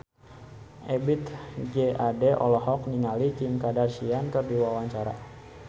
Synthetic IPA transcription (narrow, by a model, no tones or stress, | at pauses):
ʔɛbit̪ɡeʔadɛʔɔ̰lɔɦɔk̚niŋalit͡ʃimkadarsiankərdiwawaɲt͡ʃaɾa̰